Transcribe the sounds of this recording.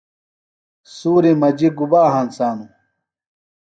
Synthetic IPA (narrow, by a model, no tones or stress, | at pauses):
suːɾimɐd͡ʑiɡubaːɦansaːnu